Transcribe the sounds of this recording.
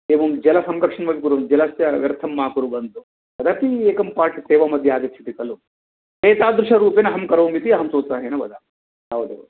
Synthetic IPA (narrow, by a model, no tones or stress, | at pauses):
eːʋɐmd͡ʒɛlɐsɐmɾɐkʂɐnmɐʋikuɾud͡ʒɛlɐsjɐʋjɐɾt̪ʰɐmːaːkuɾubɐnt̪u | bɐd̪ʱap̪ieːkɐmpaːɾʈiseːʋɐmɐd̪ʱjɐaːɡit̪ːt͡ʃʰi̥t̪ikɐlu | eːt̪aːd̪ɾuʂɐɾuːpenɐɦɐmkɐɾɐʋmit̪iɐɦɐmsoːsaːɦeːnɐʋɐ̰d̪ʱa | aːʋɐd̪ṵ